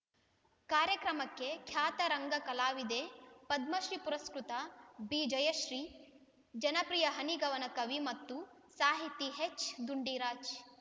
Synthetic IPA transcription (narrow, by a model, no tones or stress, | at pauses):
kaːɾjɐkɾɐmɐkːekʰjaːt̪ɐɾɐŋɡɐkɐlaːʋid̪eːpɐd̪̚mɐʃɾipuɾɐskɾut̪ɐbid͡ʒɐjɐʃɾiː | d͡ʒɐnɐpɾijɐɦɐniɡɐʋɐnɐkɐʋimɐt̪ːu | saːɦit̪ːiɦet͡ʃːd̪uɳɖiːɾaːt͡ʃ